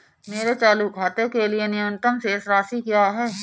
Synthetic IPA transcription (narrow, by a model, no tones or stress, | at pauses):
meːɾet͡ʃaːlukʰaːt̪ekelienɪjəmə̃nt̪əmsesɾaːʃikijaɦɛː